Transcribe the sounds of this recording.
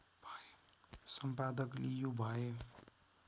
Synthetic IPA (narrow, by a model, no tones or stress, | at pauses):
bʱa | sʌmpad̪əklijubʱaje